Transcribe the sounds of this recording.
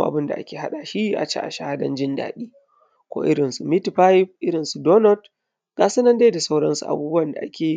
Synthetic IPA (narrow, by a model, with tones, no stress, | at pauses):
ʔa˨bɪ˦nda̰˨ʔa˦kʲeː˨ɦa˦ɗa˨ʃi˦ʔa̰˨t͡ʃḛ˦ʔa̰˨ʃa˦ha˦dɐ̰˦nd͡ʒɪ˦nda̰ː˨ɗiː˦ | kʷo̰ː˦ʔɪ̰˦ɽɪ˨nsu˨mɪ˦tɸa˦jɸ̚ʔɪ˦ɽɪ˨nsu˨doː˦nɔ˦t | ɡ̥aː˨˦sɐ˦nɐ˦nde˦da˨sa˦wɽɐ˦nsu˨ʔa̰˨buː˦bʊ˦wɐ˨nda˨ʔa˦kʲeː˨